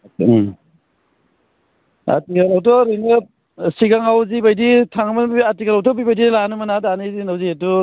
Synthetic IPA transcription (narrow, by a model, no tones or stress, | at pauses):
a̰tikalawtɔɾinɯ | siɡaŋawzibajditʰaŋamɯnatikalawtɔpibajdilanɯmanadanizinawzietu